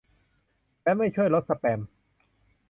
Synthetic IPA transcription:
lɛː˦˥ma˥˩jt͡ɕʰu˥˩əjlo˦˥t̪̚sa˧pɛː˧m

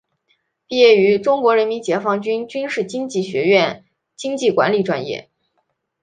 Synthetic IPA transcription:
pi˥˧jɛ˥˩y˧˥ʈ͡ʂʊ˥ŋkwɔ˧˥ɻə˧˥nmi˧˥nt͡ɕjɛ˧˥fɑ˥ŋt͡ɕy˥nt͡ɕy˥nʂɻ̩˥˩t͡ɕi˥ŋt͡ɕi˥˩ɕɥɛ˧˥ɥɛ˥˩n | t͡ɕi˥ŋt͡ɕi˥˩kwa̰˧˥nli˧˩ʈ͡ʂwa̰˥˧njɛ̰˥˩

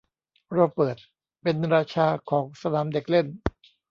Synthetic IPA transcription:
ɾoː˧pɤː˨˩t̪̚ | pe˧nɾaː˧t͡ɕʰaː˧kʰɔː˩˦ŋsa˧naː˩˦mde˨˩k̚le˥˩n

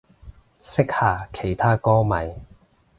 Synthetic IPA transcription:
sɪ˥k̚haː˨˩kʰe˨˩jt̪ʰaː˥kɔː˥mɐ˨˩j

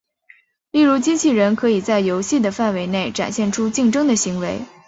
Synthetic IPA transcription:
li˥˩ɻu˧˥t͡ɕi˥t͡ɕʰi˥˩ɻə˧˥nkʰɤ˧˥i˨˩t͡sa˥˩ɪjo˧˥ʊɕi˥˩d̪ə˩fa˥˩nwe˧˥ɪne˥˩ɪʈ͡ʂa̰˨˩nɕjɛ˥˩nʈ͡ʂʰu˥t͡ɕi˥˩ŋʈ͡ʂɤ˥ŋd̪ə˨ɕi˧˥ŋwe˧˥ɪ

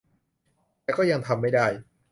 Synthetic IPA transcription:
t̪ɛː˧˥wkɔː˥˩ja˧ŋt̪ʰa˧mːa˥˩jdaː˥˩j

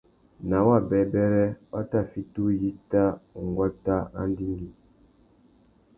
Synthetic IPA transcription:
na˨˦wa˦˨bɛ˨bɛ˦ɾɛ˦a˦ta˦˨fi˦tu˦ji˦ta˦˨ŋ˨ɡwa˦ta˦a̰˦n˦di˦ŋɡi˨

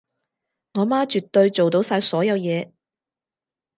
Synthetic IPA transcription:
ŋɔː˨˧maː˥t͡ʃyː˨t̪ːɵ˧ɥt͡so˨wt̪o˨˥wsaː˧jsɔː˨˥jɐ˨˧wjɛː˨˧

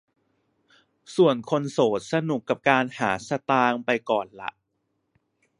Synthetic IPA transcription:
su˨˩ənkʰo˧nsoː˨˩˦t̪̚sa˧nu˨˩kːa˨˩p̚kaː˧nhaː˩˦sa˧t̪aː˧ŋpa˧jkɔː˨˩nla̰˨˦ʔ

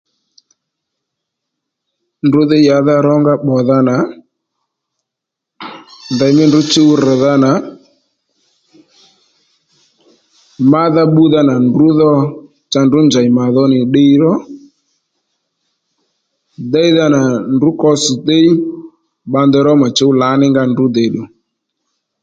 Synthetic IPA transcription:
ndʊ˨˦ðɪ˦ja˨˦ða˦ɾɔ˦ŋɡa˦ɓɔ˨ða˧na˨ | nda˨jmɪ˦ndʊ˨˦t͡ʃe˦u˦ɾɛ˨ða˧na˨ | ma˦ða˦ɓu˦ða˧na˨ndu˦ðɔ˧ | t͡ʃa˧ndʊ˨˦nd͡ʒa˨i˨ma˨ðɔ˦nɪ˨ɗe˦i˦ɾɔ˦ | dɛ˦i˦ða˧na˨ndʊ˨˦kɔ˧sɪ˨ɗe˦i˦ | ba˧nd̪ɛ˧ɾɔ˦ma˨t͡ʃe˦u˦la˨˦nɪ˦ŋɡa˦˧ndu˨˦de˨ɗu˨

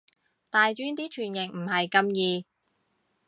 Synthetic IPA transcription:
t̪aː˨jt͡ʃyː˥nt̪iː˥t͡ʃʰyː˨˩njɪ˨ŋm̩˨˩hɐ˨jkɐ˧mjiː˧

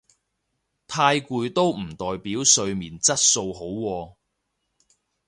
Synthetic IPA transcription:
t̪ʰaː˧jkuː˧jt̪o˥wm̩˨˩t̪ɔː˨˩jpiː˨˥wsɵ˧ɥmiː˨˩nt͡sɐ˥t̚so˧wɦo˨˥wwɔː˧

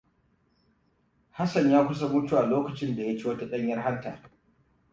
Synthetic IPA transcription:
ha˦sɐ˨ɲjaː˦kʷʊ˦s̬a˦mʊ˦tu˦˨ʔa˨loː˦kɐ˨t͡ʃɪ˦nda˨ja˦t͡ʃi˦wɐ˦ta˦ɗɐ˦ɲjɐ˦rɦa˦ntaː˨

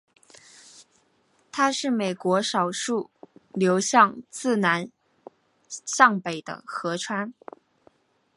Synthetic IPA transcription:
t̪ʰa˥ʂɻ̩˥˩me˨˩ɪkwɔ˧˥ʂɑ˨˩ʊʂu˥˩ljo˧˥ʊɕjɑ˥˧ŋt͡sɹ̩˥˩na˧˥n | ɕjɑ˥˩ŋpe˨˩ɪd̪ə̰˦xɤ˧˥ʈ͡ʂʰwa˥n

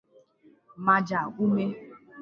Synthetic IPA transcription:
ma˨d͡ʒa˨ɡʷu˦me˦

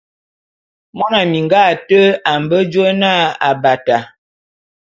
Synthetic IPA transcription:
mɔ˦na˨mi˨ŋɡa˦˨tə˦a˨m˨bə˦d͡ʒə˦na˦a˨ba˨ta˨

